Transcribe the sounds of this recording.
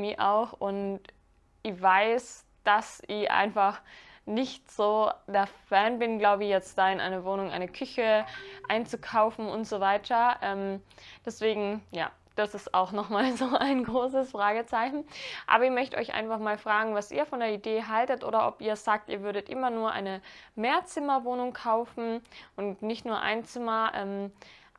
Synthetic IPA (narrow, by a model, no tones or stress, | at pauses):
miʔa̰ʊxʊnt | ʔɪçv̥aɪs | d̥asʔɪçʔa̰ɪnfaχ | nɪçtz̥oːdeːɐfɛːnbɪnɡlaʊbəɪçjɛt͡std̥aːɪnʔa̰ɪnɐvoːnʊŋʔa̰ɪnəkʰʏçəʔa̰ɪnt͡sukʰaʊfn̩ʊntz̥oːvaɪtʰɐʔɛːmd̥ɛsv̥eːɡŋ̩ja̰ː | d̥asɪsta̰ʊxnɔχmaːlzoːʔaɪnɡʁoːsəsfʁ̥aːɡət͡saɪçn̩ʔa̰ːbɐɪçmœçtəɔ̰ʏçʔa̰ɪnfaχmaːlfʁ̥aːɡŋ̩vasʔḭːɐfɔndeːɐideːɦaltətʔo̰ːɾɐʔɔpiːɐsz̥aːk̚tʔiːɐvʏɐɾətʔɪmɐnuːɐʔa̰ɪnəmeːɐt͡sɪmɐvoːnʊŋkʰaʊfn̩ʔʊntnɪçtnuːɐʔa̰ɪnt͡sɪmɐʔɛ̰m